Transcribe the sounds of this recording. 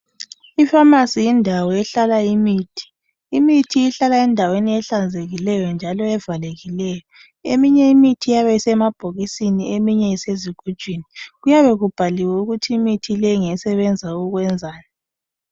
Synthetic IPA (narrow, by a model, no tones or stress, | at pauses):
ifamasijindʱawɔɛɬalaimiːtʰi̥ | imitʰiːɬalaɛndʱaweniɛɬand͡zʱeɣilɛjɔnd͡ʒʱalɔɛvaleɣilɛːjɔ | emiɲɛimitʰijaβɛsɛmab̥ʱoɣisiniemiɲɛiseziɡ̥ʱud̥ʒ̥ʱwiniɣujaβɛɣub̥ʱaliwɛuɣutʰiːmitʰilɛŋɛsɛβɛnd͡zʱauɣwɛnd͡zʱaːna